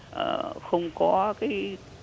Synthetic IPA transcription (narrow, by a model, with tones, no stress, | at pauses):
ʔə̰ː˨˧˩xə˧wŋ͡mkɔ˨˦kaː˨˦j